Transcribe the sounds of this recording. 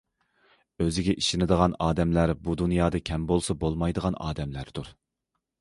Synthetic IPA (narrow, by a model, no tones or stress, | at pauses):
øzɪɡʲɛʔiʃɪnɪd̪əʁɑnɑːd̪ɛmlæɾbud̪unjɑːd̪ɑkʲʰɛmbolˠsɑbolˠmɑjd̪əʁɑnɑ̰ːd̪ɛmlæɾd̪uɾ